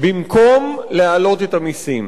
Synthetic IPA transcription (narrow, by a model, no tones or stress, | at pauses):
bimkʰo̞mlealo̞t̪et̪amisim